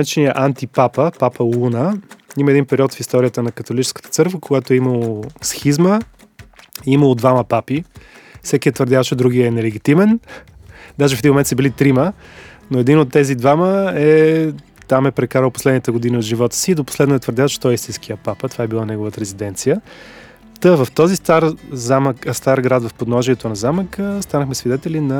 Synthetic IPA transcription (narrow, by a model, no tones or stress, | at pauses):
at͡ʃɛniəʔant̪ipapəpapəlˠunəiməɛd̪inpɛɾiɔt̪fist̪ɔɾʲijət̪ənɐkət̪olit͡ʃɛ̥skə̥t̪ə̥t̪sɤɾkvəkoɡat̪oɛiməlˠosxizmə | iməlˠod̪vaməpapifsɛkiɛt̪vəɾd̪javt͡ʃɛd̪ɾuɡiɛːnɛlɛɡʲit̪imɛn | d̪aʒɛfɛd̪inmomɛnt̪sɛbilit̪ɾimənoɛd̪inot̪ːɛzid̪vaməɛ | t̪amɛpɾɛkaɾəlˠposlɛd̪nit̪əɡod̪iniod̪ʒivɔt̪ə̥siːd̪opo̥slɛd̪noɛt̪vəɾd̪javt͡ʃɛ̥t̪ɔɛist̪inskiəpapət̪ovaɛbilˠanɛɡovət̪əɾɛzid̪ɛnt̪sijə | t̪əvəft̪ɔzist̪aɾzamkst̪aɾɡɾad̪vəfpod̪nɔʒiɛt̪onɐzaməkəst̪anəxmɛsvid̪ɛt̪ɛlinɐ